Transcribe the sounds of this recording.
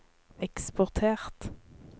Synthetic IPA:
ɛkspɔʁt̪ʰeːʁt̪

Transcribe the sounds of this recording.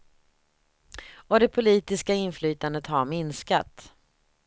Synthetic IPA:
ɔd̪ɛpʰʊliːt̪ɪskaɪnflyːt̪and̪ət̪haɾmɪnska̰t̪

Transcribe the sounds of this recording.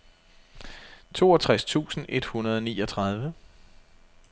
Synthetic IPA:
t͡sʰo̝̰ːɒt͡sʰʁast͡sʰṵːsn̩ʔe̝d̥hunɐð̞ˠɒ̽niːɒt͡sʰʁɑ̈ð̞ˠʋə

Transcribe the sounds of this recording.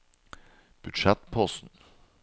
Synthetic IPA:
b̥ʉd̪ʃɛt̪pʰɔsn̩

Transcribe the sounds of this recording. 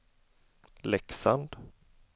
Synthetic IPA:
lɛksand̪

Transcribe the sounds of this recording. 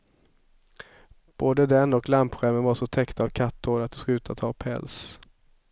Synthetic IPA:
b̥oːd̪əd̪ɛnɔklampɧæɾmənvaʂɔt̪ʰɛkt̪avkʰat̪ʰːoːɾat̪̚d̪ɛsk̪ʉːt̪ʰat̪ʰɑːpʰɛ̰ls

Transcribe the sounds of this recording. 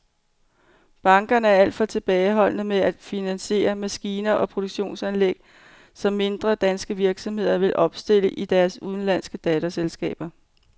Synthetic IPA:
b̥ɑ̈ŋɡ̥ɐnəæɐæl̰d̥fɒ̽t͡sʰe̝b̥ɛːɪɦɒ̽l̰nəmeæd̥finænse̝̰ːɐmæsɡ̥iːnɐʔɒ̽pʰʁo̝d̥o̝ɡ̥ɕo̝̰ːnsænleɡ̥̚ | sɒ̽mːe̝nd̥ʁɐd̥ænsɡ̥əʋiɐɡ̥sɒ̽mhe̝ð̞̰ˠɐʋe̝lʔɒ̽b̥sd̥e̝l̰əʔid̥æɐsuðˠn̩læn̰sɡ̥əd̥ɛːt͡sʰæselsɡ̥ɛ̰ːb̥ɐ

